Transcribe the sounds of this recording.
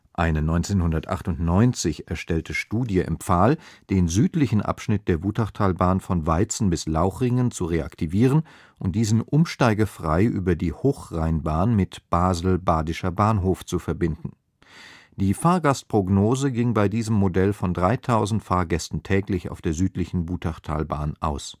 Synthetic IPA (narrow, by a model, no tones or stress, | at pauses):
ʔaɪnənɔʏnt͡seːnhʊndɐtʔa̰χtʊntnɔʏnt͡sɪçɛɐʃtɛltʰəʃtuːdjəʔɪ̰mp͡faːld̥eːnzyːtlɪçn̩ʔa̰pʃnɪt̚d̥eːɐvuːtaʁtʰaːlbaːnfɔnvaɪt͡sn̩bɪslaʊxʁ̥ɪŋənt͡suʁea̰ktʰiviːʁən | ʔʊnt̚d̥iːzn̩ʔʊmʃtaɪɡɐfʁ̥a̰ɪʔyːbɐdiːhoːxʁ̥aɪnbaːnmɪtb̥aːzl̩baːdɪʃɐbaːnɦoːft͡sufɛɐbɪndn̩ | d̥iːfaːɐɡast̚pʁ̥oɡnoːzəɡɪŋbaɪdiːzəmːodɛlfɔndʁaɪtʰaʊzn̩tfaːɐɡɛstn̩tʰɛːklɪça̰ʊfd̥eːɐzyːtlɪçn̩vuːtʰaχtʰa̰ːlba̰ːnʔa̰ʊs